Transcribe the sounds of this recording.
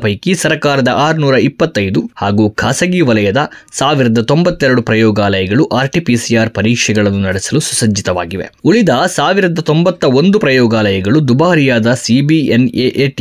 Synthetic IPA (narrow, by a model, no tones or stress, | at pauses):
pɐjkisɐɾɐkaːɾɐd̪ɐʔaːɾunuːɾɐipːɐt̪ːɐjd̪uhaːɡuːkʰaːsɐɡiːʋɐlɐjɐd̪ɐ | saːʋiɾɐd̪ɐt̪o̞mbɐt̪ːɛɾɐɽupɾɐjɔːɡaːlɐjɐɡɐɭuʔaːɾʈipisijaːɾpɐɾiːkʂɛɡɐɭɐnːunɐɽɛsɐlusu̥sɐd͡ʒːit̪ɐʋa̰ːɡiʋe̞̰uɭid̪ɐsaːʋiɾɐd̪ɐt̪o̞mbɐt̪ːɐo̞nd̪upɾɐjɔːɡaːlɐjɐɡɐɭud̪ubaːɦɐɾijaːd̪ɐsibieneʔeːʈ